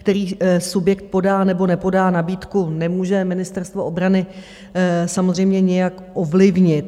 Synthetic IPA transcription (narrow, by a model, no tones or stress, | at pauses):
kt̪ɛɾiːsubjɛkt̪̚po̞daːnɛbo̞nɛpo̞daːnabiːt̪kunɛmuːʒɛmɪnɪst̪ɛɾst̪vo̞ʔo̞bɾanɪ | samozrɛjmɲɛɲɛjak | ʔovlɪvɲɪt̪